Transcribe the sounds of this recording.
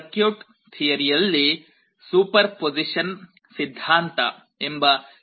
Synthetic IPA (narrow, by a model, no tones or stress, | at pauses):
kjuːʈ | t̪ʰijɐɾijɐlːi | suːpɐɾpod͡ʒiʃɐn | sid̪ʱːaːnt̪a̰ | imba